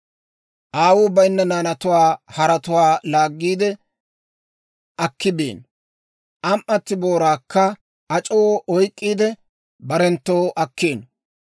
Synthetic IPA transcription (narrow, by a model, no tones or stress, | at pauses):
ʔaːwʊbɐjnːɐnaːnɐt̪ʊwaːhɐɾɐt̪ʊwaːlaːɡːiːd̪ɛ | ʔɐkːɪbḛːn | ʔɐmʔːɐt̪ːɪbo̞ːɾaːkːɐ | ɐt͡ʃʼowʔɔjkʼːiːd̪ɛ | bɐɾɛnt̪ːoːʔɐkːeːn